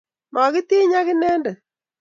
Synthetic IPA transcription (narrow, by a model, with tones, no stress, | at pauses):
ma˨kɪ˦t̪i˦ɲa˦kɪ˦nɛː˦ndɛ˨